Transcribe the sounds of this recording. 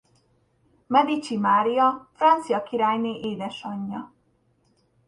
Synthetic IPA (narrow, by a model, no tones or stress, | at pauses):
mɛd̪it͡ʃimaːɾijɒfrɒnt̪sijɒkiɾaːjneːʔeːd̪ɛʃɒɲːɒ